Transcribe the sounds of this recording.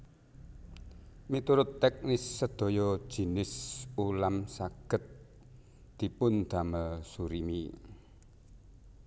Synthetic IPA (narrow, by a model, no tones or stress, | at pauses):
mit̪uɾʊt̪ːɛk̚nɪsːəd̪̥o̤jɔ̥ʒ̥i̤nɪsulamsaɡ̥ə̤t̪̚ | d̪̥i̤pʊnd̪̥a̤məsuɾimi